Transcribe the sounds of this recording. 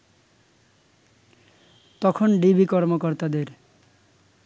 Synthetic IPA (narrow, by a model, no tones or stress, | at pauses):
t̪ɔkʰonɖibikɔɾmokoɾt̪ad̪eɾ